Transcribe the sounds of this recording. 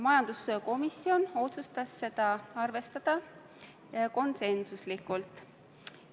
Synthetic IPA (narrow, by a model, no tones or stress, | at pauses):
mɑjɑnd̪̥usko̞misːio̞no̞t̪sust̪ɑsːe̞d̪̥ɑɑrve̞st̪ɑd̪̥ɑ | ko̞nse̞nsuslikːˑult̪ˑ